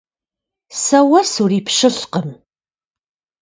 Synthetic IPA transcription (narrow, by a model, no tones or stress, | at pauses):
sɐwɐsuriːpɕɨɬqəm